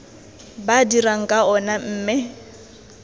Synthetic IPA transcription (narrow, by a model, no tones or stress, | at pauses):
badiraŋ̩kʼaɔnam̩ːmɪ